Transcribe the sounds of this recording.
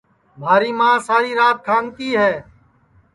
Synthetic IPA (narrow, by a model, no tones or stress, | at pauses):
mʱaːɾiːmãːsaːɾiːɾaːt̪̚kʰãːŋɡt̪iːɦɛː